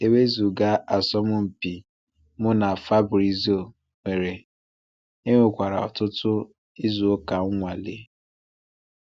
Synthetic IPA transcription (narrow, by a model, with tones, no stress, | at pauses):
e˦we˦zu˨ɡa˦a˨sɔ˦mʊ˦m̩˨pi˨ | mʊ˦na˨fa˦bɾi˨zi˦o˨ | me˨ɾe˨ | e˦ŋʷe˦kʷa˨ɾa˨ɔ̰˨tʊ˦tʊ˦ | i˦zu˨o˦ka˨˦ŋʷa˨lḛ˦